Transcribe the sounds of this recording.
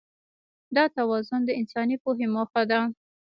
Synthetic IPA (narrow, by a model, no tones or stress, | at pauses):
d̪ɑt̪awɑzʊnd̪əɪnsɑnipoɦeməxad̪a